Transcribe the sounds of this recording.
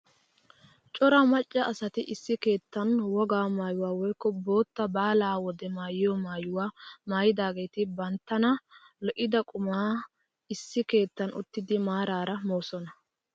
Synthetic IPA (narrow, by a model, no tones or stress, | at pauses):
t͡ʃʼɔɾɐmɐt͡ʃʼːɐɐsɐt̪ɪʔɪsːɪke̞ːt̪ːɐnwɔɡaːmaːjʊwaːwɔjkːɔbo̞ːt̪ːɐbaːlaːwɔd̪ɛmaːjɪjɔmaːjʊwaːmaːjɪd̪aːɡe̞ːt̪ɪbɐnt̪ːɐnɐ | lɔʔɪd̪ɐkʼʊmaː | ɪsːɪke̞ːt̪ːɐnʊ̰t̪ːɪd̪ɪmaːɾaːɾɐmo̞ːsɔnɐ